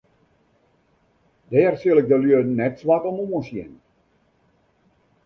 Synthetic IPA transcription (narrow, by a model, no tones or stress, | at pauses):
dɛːrsilˠɪk̚dəlyənːɛtsʋakɔmuənsjɪ̰n